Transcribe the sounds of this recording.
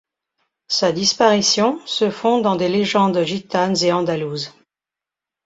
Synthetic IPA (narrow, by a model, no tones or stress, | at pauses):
sad̪ispaʁisjɔ̃səfɔ̃d̪ɑ̃d̪eleʒɑ̃d̪ʒit̪anzeɑ̃d̪aluːz